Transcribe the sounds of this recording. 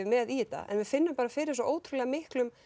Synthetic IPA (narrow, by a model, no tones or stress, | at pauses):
mɛðit̪a̰ʔɛ̰nvɪfɪnːʏmpaːɾafɪːɾɪɾsɔʔoːwt̪ʰɾʏlɛːɣamɪhklʏm